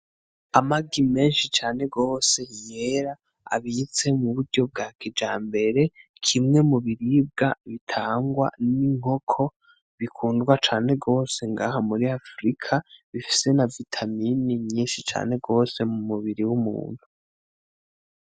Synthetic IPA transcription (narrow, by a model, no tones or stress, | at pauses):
amaɡime̞ːnʃit͡ʃaːne̞ɡo̞ːse̞ije̞ɾa | a̰βit͡se̞muβuɾɟo̞b̚ɡaːkʰid͡ʒaːmbe̞ɾe̞ | kʰimŋe̞muβiɾib̚ɡaβitʰaːŋɡwa̰niŋ̥ho̞kʰo̞ | βikʰuːndɡwat͡ʃaːne̞ɡo̞ːse̞ŋɡaːɦamuɾiafɾikʰaβifi̥se̞navitʰaminimɲiːnʃit͡ʃa̰ːne̞ɡo̞ːse̞mumuβiɾiwumṵːn̥hu